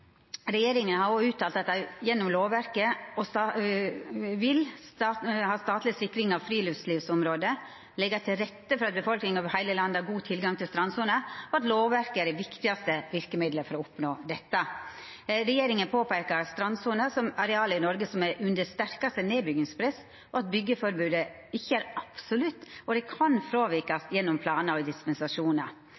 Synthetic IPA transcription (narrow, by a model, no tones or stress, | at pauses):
ɾɛjeːɾɪŋənhɑɾoʉːt̪ʰːɑːlt̪ɑt̪̚d̪æɪjɛnːɔmloːʋʋæɾkəɔsɑ | ʋɪlshɑːst̪ɑːt̪lɪsɪkːɾɪŋɑʋfɾiːlʏʋsliːʋsʊmɾoːd̪ə | lɛɡɑt̪ʰɪlɾɛt̪ːəfɔɾɑt̪̚bəfɔlknɪŋɑʋhæɪləlɑnd̪əɑɾɡuːt̪ʰɪlɡɑŋt̪ʰɪlst̪ɾɑnsuːnəɔɑt̪loːʋʋæɾkəæɖɛʋɪkt̪ɪɑst̪əʋɪɾkəmɪd̪ləfɔɾɔʊpnoːd̪ɛt̪ːɑ | ɾɛjeːɾɪŋənpʰoːpæɾkɑɾɑst̪ɾɑnsuːnəsɔmɑɾɛɑːləɪnɔɾɡəsɔmæɾʉnd̪əst̪æɾkɑst̪əneːbʏɡɪŋspʰɾɛs | ʔɔɑt̪̚bʏɡːəfɔɾbʉːd̪ə | ɪçːəæːɾɑpsʊlʉt̪ːɔd̪ɛkʰɑnfɾoːʋɪɾkɑst̪jɛnːʊmpʰlɑːnəɾɔd̪ɪspɛnsɑʂuːnɑ̰